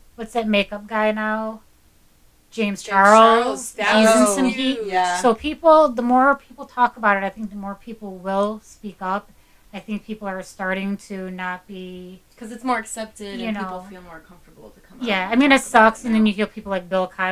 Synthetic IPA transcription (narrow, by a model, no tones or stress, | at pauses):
wʌtsðɨt̚meɪkʌp̚ɡ̥aɪnaʊ | d̥ʒ̥ẽɪ̃mz̥t͡ʃʰæɹl̩ˠjʉzɪ̃ŋsʌ̃mɦit̚jæsoʊpʰipl̩ˠðəmɔɹpʰipl̩ˠtʰɔkəbaʊɾɨɾaɪθɪ̃ŋk̚ðəmɔɹpʰipl̩ˠwɪlˠspikʌp̚ | aɪθɪ̃ŋk̚pʰipl̩ˠə˞stɑɹɾɪ̃ŋtʰɨnət̚b̥ikʰʌzɨtsmɔɹɨksɛp̚tɪdjɨnoʊfilˠmɔɹkʰʌ̃ɱftə˞bl̩ˠtʰɨkʰʌ̃mjæaɪmĩnɨtsʌksɨ̃nðɨ̃njɨfilˠpʰipl̩ˠlaɪk̚bɪlˠkʰaɪ